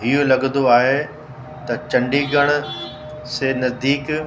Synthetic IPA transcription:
ɦiɦolɐɡə̃nd̪oaːɦe | t̪ɐt͡ɕɐ̃ɳɖiɡʱɐɽ̃ʊ̆ | senɐzd̪iːk

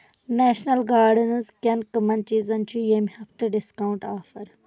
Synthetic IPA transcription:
neːʃnɐlɡaːɖɨnɨzkʲɐnkɐmɐnt͡ʃiːzɐnt͡ʃʰujemihɐft̪ɨɖiskawuɳʈaːfɐɾ

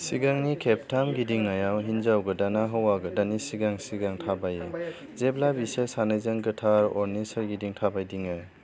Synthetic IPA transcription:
siɡaŋnikʰep̚tʰamɡidiŋːajawɦinzawɡɯdanaɦɯwaɡɯdanisiɡaŋsiɡaŋtʰabaje | zeplabisesanɯjzɯŋɡɯtʰaɾɔɾnisɯɾɡidiŋtʰabajdiŋɯj

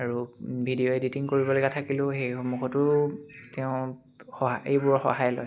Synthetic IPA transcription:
aɹubʱidijoɛditiŋkoɹibɔlojɡatʰakilʊ̃xejxomukʰɔtʊɹtɛʊ̃ | xɔɦaejbʊɹxɔ̰ɦajlɔ̰j

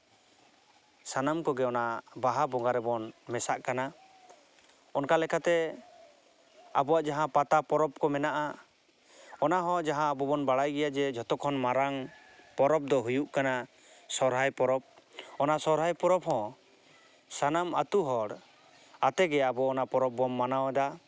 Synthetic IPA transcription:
sanamkɔɡɛɔnaʔbaɦabɔŋɡaɾɛbɔnmɛsaʔkana | ɔnkalɛkʰat̪ɛ | a̰bɔwaʔd͡ʒaɦãpat̪apɔɾɔp̚kɔmɛnaʔa | ɔnaɦɔ̃d͡ʒaɦãːbɔbɔnbaɽajɡɛjad͡ʒɛd͡ʒɔt̪ɔkʰɔnmaɾaŋ | pɔɾɔp̚d̪ɔɦujuʔkana | sɔɾɦajpɔɾɔp̚ | ɔnasɔɾɦajpɔɾɔphɔ̃ | sanamat̪uɦɔɽ | at̪ɛɡɛabɔːnapɔɾɔp̚ːɔmːanawɛd̪a

